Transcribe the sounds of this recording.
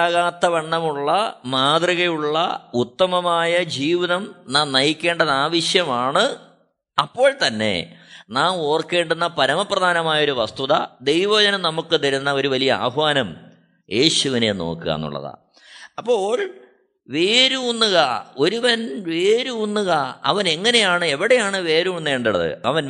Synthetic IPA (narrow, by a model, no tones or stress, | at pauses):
aɣaːt̪ːɐʋɐɳːɐmuɭːɐmaːd̪riɣɐjuɭːɐ̰ut̪ːɐmɐmaːjɐd͡ʑiːʋiðɐmnaːmnɐjikʲːe̞ːɳɖɐðaːʋiʂjɐmaːɳɨ | ɐpːo̞ːɭt̪ɐnːe̞̰naːmo̞ːrke̞ːɳɖunːɐpɐɾɐmɐprɐd̪ʱaːnɐmaːjɐo̞ɾuʋɐst̪uðɐ̰d̪e̞jʋɐːd͡ʑɐnɐnɐmukːɨt̪ɐɾunːɐo̞ɾuʋɐlijɐa̰ːɦʋaːnɐm | je̞ːɕuʋine̞no̰ːkːɨɣa̰ːnːṵɭːɐ̰ða̰ | ɐpːo̞ːɭ | ʋeːɾuunːuɣɐo̞ɾuʋɐnʋe̞ːɾuunːuɣɐɐ̰ʋɐne̞ŋːɐne̞jaːɳɨe̞ʋiɽe̞jaːɳɨʋe̞ːɾumunːeːɳɖuɭɐ̰ðɨ̰ɐʋɐn